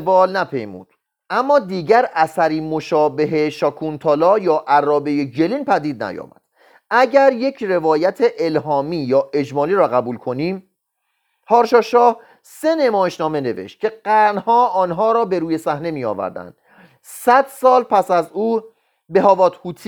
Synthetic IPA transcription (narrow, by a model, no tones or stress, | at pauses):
bɒːlnæpʰḛjmṵːd̪̥̚ | ʔæmːɒːd̪iːɟæɾʔæsæɾiːmoʃɒːbe̞ɦe̞ʃɒːkʰunt̪ʰɒːlɒːjɒːʔærːɒːbe̞jed͡ʒe̞liːnpʰæd̪iːd̪̚næ̰jɒ̰ːmæ̰d̪̥ | æɟæɾje̞cʰre̞vɒːjæt̪ʰeʔelɦɒːmiːjɒːʔe̞d͡ʒmɒːliːɾɒːɣæbuːlkʰo̞niːm | hɒːɾʃɒːʃɒːh | se̞ne̞mɒːjeʃnɒːme̞ne̞vḛʃt̪̚kcʰe̞ɡ̥æɾnhɒːʔɒːnɦɒːɾɒːbe̞ɾuːje̞sæhne̞miːjɒ̰ːvæ̰ɾd̪æ̰nd̪̥ | sæd̪̥sɒːlpʰæsæzuː | be̞ɦɒːvɒːt̪huːt̪ʰ